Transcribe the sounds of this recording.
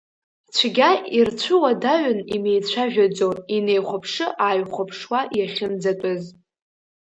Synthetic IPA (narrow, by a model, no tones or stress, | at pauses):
t͡ɕʷʰɡʲairt͡ɕʷʰɨwadaɥʊnimejt͡ɕʷʰaʒᶣad͡zoinejχʷapʰʂɨʔaːjχʷapʰʂwajaχʲɪnd͡zatʼʊz